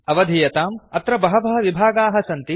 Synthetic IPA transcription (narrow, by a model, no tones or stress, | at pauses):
ɐʋɐd̪ʱijɐt̪aːmɐt̪ɾɐbɐɦɐʋɐɦɐʋibʱaːɡaːɦɐsɐnt̪i